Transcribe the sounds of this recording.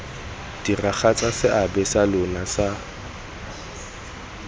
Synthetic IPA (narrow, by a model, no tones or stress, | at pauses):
d̥iraχat͡sʼasɪʔabɛsalʊnasa